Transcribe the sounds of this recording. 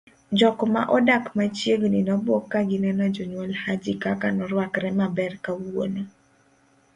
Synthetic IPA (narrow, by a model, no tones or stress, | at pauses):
d͡ʒɔkma̰ʔɔdakmat͡ʃjeɡninɔbɔkːaɡɪnɛnɔd͡ʒɔɲwɔlhad͡ʒikakanɔɾwakɾɛmabɛrkawo̰no